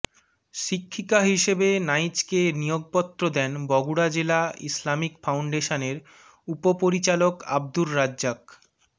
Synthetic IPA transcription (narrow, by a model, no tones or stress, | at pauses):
ʃikʰːikaɦiʃebenajt͡ɕkenijoɡ̚pɔt̪ːɾod̪ɛnbɔɡuɽad͡ʑelaḭslamikfawɳɖeʃaneɾ | upopoɾit͡ɕaloka̰b̚d̪ulːad͡ʑd͡ʑak